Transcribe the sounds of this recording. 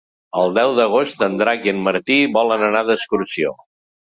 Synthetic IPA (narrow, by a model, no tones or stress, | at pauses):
əlˠd̪ɛwðəɣ̞ost̪ənd̪ɾakiənməɾt̪iβɔlənənaðəskuɾsio̰